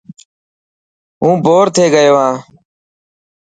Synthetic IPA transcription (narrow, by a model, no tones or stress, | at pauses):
ɦũːbʱoːɾt̪ʰeːɡəjoːɦãː